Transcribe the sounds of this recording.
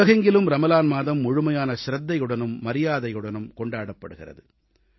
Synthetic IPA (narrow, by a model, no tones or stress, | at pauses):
ɐɣɐŋɡɪlɯmɾɐmɐlaːnmaːðɐmːʊɻɯmɐjaːnɐʃɪɾɐd̪ːɐjɯɽɐnɯmːɐɾɪjaːðɐjɯɽɐnɯmkɔɳɖaːɽɐpːɐɽɯɣɪ̰rɐ̰ðɯ